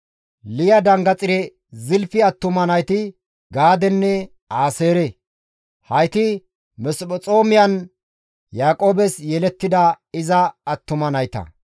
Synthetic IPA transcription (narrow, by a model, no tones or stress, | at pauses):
lɪjɐd̪ɐŋɡɐt͡sʼɪɾɛ | zɪlfɪɐt̪ːʊmɐnɐjt̪ɪ | ɡaːd̪ɛnːɛ | aːse̞ːɾɛ | hɐjt̪ɪ | mɛsbɔt͡sʼo̞ːmɪjɐn | jaːkʼo̞ːbɛsjɛlɛt̪ːɪd̪ɐ | ɪzɐːt̪ːʊmɐnɐjt̪ɐ̰